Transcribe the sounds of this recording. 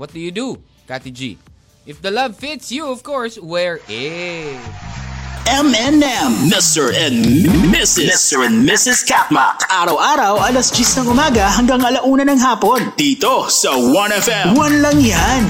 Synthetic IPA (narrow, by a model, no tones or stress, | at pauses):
wɔt̪̚d̥̪ujud̪u | kat̪id͡ʒḭ | ɪfd̪ɐlɐvfɪt̪sjuɔv̥kɔɹswɛɹɪ | ʔɛmɛnɛmːɪst̪ɛɹɛ̃nmɪsɪmst̪əɹɛnmɪsɪskat̪̚mɐ̰kʔaːɾɐwʔaːɾɐwʔɐlɐsd͡ʒisnɐŋʊmaːɡɐɦɐŋɡaŋɐlɐʔuːnɐnɐŋɦaːpo̞nd̪iːt̪osɐwɐ̃nɛfɛ̃mwɐnlɐŋjan